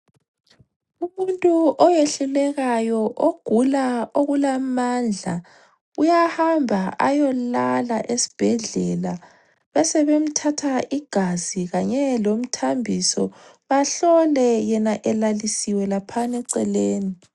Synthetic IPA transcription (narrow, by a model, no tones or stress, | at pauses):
umuntʼuʔɔjeɬulɛɣajɔʔoɡ̥ʱulaoɣulamand͡ɮʱa | ujahambʱaa̰jɔla̰laʔesi̥b̥ʱɛɮɛla | βasɛβem̩tʰatʰaʔiɡ̥ʱaziɣaɲɛlom̩tʰambʱisɔβaɬɔlɛjɛnaʔɛlalisiwɛlapʰanɛǀɛleːni